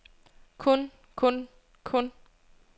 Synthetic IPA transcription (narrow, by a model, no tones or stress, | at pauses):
kʰɔn | kʰɔn | kʰɔn